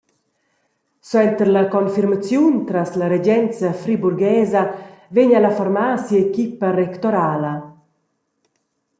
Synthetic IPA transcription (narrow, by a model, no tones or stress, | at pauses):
swɛnt̪əɾlakɔnfiɾmat͡sjunt̪ɾaslaɾed͡ʒɛnt͡safɾibuɾɡɛːzɐveɲalafaɾmaːsjiekiparɛkt̪ɔɾaːlɐ